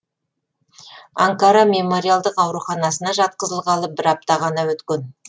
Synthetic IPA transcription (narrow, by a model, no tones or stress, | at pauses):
a̰ŋkaɾɑme̞mo̞ɾʲijalˠd̪əqɑwɾuχɑnɑsənɑʒɑt̪̚qəzəlˠʁɑlˠəp̚bɪɾɑp̚t̪ɑʁɑnɑwɵt̪kʲen